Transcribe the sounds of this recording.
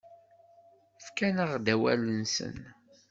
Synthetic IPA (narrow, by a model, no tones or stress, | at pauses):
fkænəʁd̪æwæ̰lənsə̰n